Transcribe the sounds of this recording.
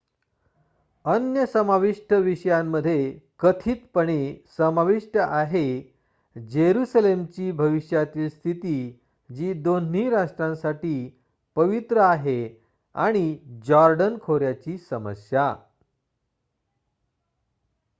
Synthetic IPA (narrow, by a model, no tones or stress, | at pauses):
ənjəsəmaʋiʂʈʰəʋiɕəjãmːəd̪ʱːjekət̪ʰiːt̪pəɳ̃esəmaʋiʂʈəʔaɦe | d͡ʑeɾusəlemt͡ɕiːbʱəʋiɕjat̪iːlst̪ʰit̪iː | d͡ʑiːd̪on̤iːɾaʂʈɾãnsaʈiː | pəʋit̪ɾəaɦe | a̰ɽ̃id͡ʑɔɾɖənkʰoɾjat͡ɕiːsəmə̰sja